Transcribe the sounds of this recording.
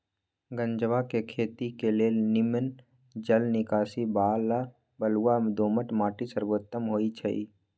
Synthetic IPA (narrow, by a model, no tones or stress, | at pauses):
ɡə̃ɲd͡ʒʋakekʰeːt̪ikelenɪmən | d͡ʒəlnɪkaːsibaːla | bəluamd̪oːməʈmaːʈisəɾboːt̪ːəmɦoːit͡ʃʰəiː